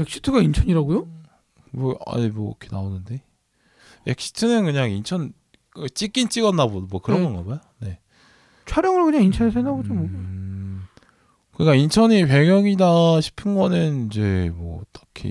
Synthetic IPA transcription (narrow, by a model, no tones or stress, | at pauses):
ek̚ɕ͈ʰi̥tʰɯɡaint͡ɕʰʌɲiɾaɡojo | mʌa̰mwʌkʰenaonɯnde̞ | ek̚ɕ͈ʰi̥tʰɯnɯnkɯɲaŋint͡ɕʰʌn | kɯt͡ɕ͈ik͈int͡ɕ͈iɡʌnːabodmwʌkɯɾʌnŋɡʌnɡʌbajone̞ | t͡ɕʰaɾjʌŋɯɭkɯɲaŋint͡ɕʰʌnesʰenabod͡ʑomo | kɯɲikaint͡ɕʰʌɲipe̞ɡjʌŋidaɕʰi̥pʰɯnɡʌnɯnid͡ʑe̞mwʌ̰t͈ḁkʰḭ